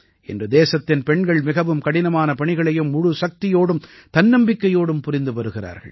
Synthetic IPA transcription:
ʔɛ̰ndrɯd̪eːsɐt̪ːɪnpɛɳɡɐɭmɪɣɐʋɯmkɐɽɪnɐmaːnɐpɐɳɪɣɐɭɐjɯmːʊɻɯsɐk̚t̪ɪjoːɽɯmt̪ɐnːɐmbɪkːɐjoːɽɯmpʊrɪnd̪ɯʋɐɾɯɣɪra̰ːɾɣɐ̰ɭ

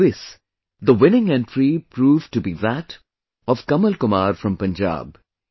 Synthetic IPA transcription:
ɪs | d̪əwɪ̃nɪ̃ŋɛ̃ntɾipɾuːvʈubiðæʈ | ɔʋ̥kʌməlkʊmaːɾfɾʌ̃mpə̃nd͡ʒa̰ːb

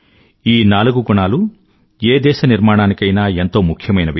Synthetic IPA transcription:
iːnaːluɡuɡuɳaːlu | eːd̪ɛːʃɐniɾmaːɽaːnikɐjnaːe̞nt̪o̞ːmukʰjɐmɐjnɐʋi

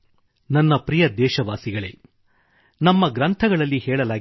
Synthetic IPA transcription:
nɐnːɐpɾijɐd̪ɛːʃɐʋaːsiɡɐɭḛː | nɐmːɐɡɾɐnt̪ʰɐɡɐɭɐlːihɛːɭɐlaː

